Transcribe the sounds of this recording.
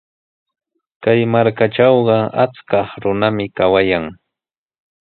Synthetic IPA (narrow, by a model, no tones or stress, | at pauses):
kajmaɾkaʈ͡ʂɑwɢɑa̰t͡skɑχɾʊnamɪkawajaŋ